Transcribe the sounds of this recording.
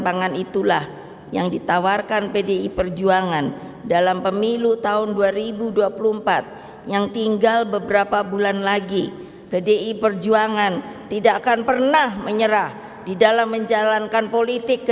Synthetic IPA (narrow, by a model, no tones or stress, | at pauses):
baŋanit̪ulah | jaŋdit̪awarkanpedeipərd͡ʒuaŋan | dalampəmilut̪aʊnduaɾibuduapuluəmpat̪̚ | jaŋt̪iŋɡalbəbəɾapabulanlaɡi | pedeʔipərd͡ʒuaŋant̪idakanpərnahməɲəɾah | didalamːəɲd͡ʒalankanpolit̪ɪk